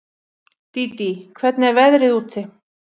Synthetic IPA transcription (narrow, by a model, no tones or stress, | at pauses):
t̪it̪ikʰvɛt̪nɪɛɾvɛðɾɪðuːt̪θɪ